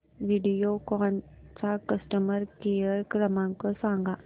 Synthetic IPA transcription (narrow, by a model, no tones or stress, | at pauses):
ʋiɖijokaːnsakɐsʈəməɾkejəɾkɾɐmãːŋkosaːŋɡa